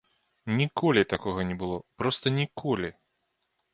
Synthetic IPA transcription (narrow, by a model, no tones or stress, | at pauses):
nʲikʰɔlʲit̪akɔɣɐnʲɛbɨlˠɔpɾɔst̪ɐnʲikʰɔlʲi